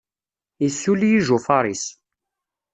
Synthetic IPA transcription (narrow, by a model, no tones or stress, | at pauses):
isːulijiʒufɑɾˤis